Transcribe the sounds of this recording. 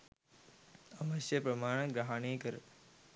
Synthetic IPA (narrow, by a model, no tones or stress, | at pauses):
ɐʋəʃjəpɾɐmaːɳ̃ɡɾaɦaːɳeːkɐɾ